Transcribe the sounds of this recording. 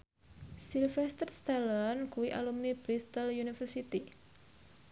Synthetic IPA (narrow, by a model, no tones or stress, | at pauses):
silfɛst̪ərst̪alankuwiʔa̰lumnib̥ɾist̪əljunifərsit̪i